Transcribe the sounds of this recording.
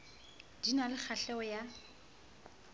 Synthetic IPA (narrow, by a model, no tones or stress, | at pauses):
d̥inalɪk͡xʰaɬɛɔja